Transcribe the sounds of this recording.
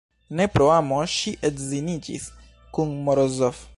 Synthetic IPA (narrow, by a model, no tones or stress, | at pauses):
nɛpɾɔamɔʃiʔɛd̪zinit͡ʃḭs | kuŋmɔɾɔzɔf